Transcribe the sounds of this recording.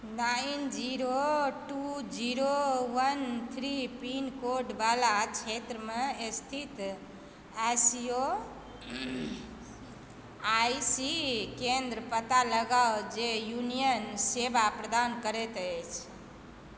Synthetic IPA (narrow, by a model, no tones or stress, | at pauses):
naind͡ʒiɾoʈud͡ʒiɾoʋənt̪ʰɾipinkoɾɖbalat͡ʃʰet̪ɾəmest̪ʰit̪ | asio | ajsikend̪ɾəpət̪aləɡaod͡ʒejunijənsebʱapɾəd̪ankəɾɛt̪ət͡ʃʰ